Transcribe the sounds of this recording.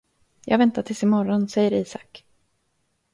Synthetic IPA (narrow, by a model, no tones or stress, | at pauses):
jɑ̰ːɡvɛnt̪aʈʰɪlsɪmɔɾɔnsɛjːəɾiːsak